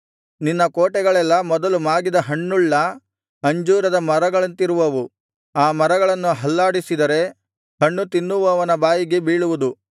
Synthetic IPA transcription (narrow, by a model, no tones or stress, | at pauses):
ninːɐkoːʈɛɡɐɭɛlːɐmɔd̪ɐlumaːɡid̪ɐɦɐɳːuɭːɐ | ɐɲd͡ʒuːɾɐd̪ɐmɐɾɐɡɐɭɐnt̪iɾuʋɐʋu | aːmɐɾɐɡɐɭɐnːuɦɐlːaːɽisid̪ɐɾe̞ | hɐɳːut̪inːuʋɐːʋɐnɐbaːjiɡe̞biːɭuʋud̪u